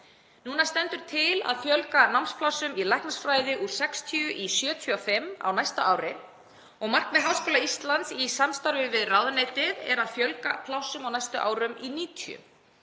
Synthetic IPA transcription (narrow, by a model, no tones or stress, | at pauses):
nuːnast̪ɛnt̪ʏɾ̥t̪ʰɪla̰ðfjœlkanawmnspʰlawsʏmilajhknasfɾaːjðɪʔuɾ̥sɛkst̪ʰiʏʔisjœːt̪ʰʏawfɪmːa̰wnajst̪a̰ʔaːwɾɪ | ɔɣmar̥knmɛðɦawskɔːlaist̪lant̪sisamst̪aɾvɪvɪðrawðanet̪ɪðɛ̰ɾaðfjœlkapʰlawsʏmawnajst̪ʏʔaːwɾʏminiːt̪ʰiʏ̰m